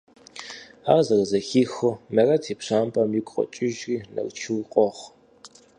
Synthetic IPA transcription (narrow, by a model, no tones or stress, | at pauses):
a̰ːʁzɐrzɐxiːxʊmɐrɐtʰeːpʂaːmpʼɐmjɪkʷʼqʼɔ̰t͡ʃʼɪʒiːnɐ̰rt͡ʃʰuwqʼɔχʷ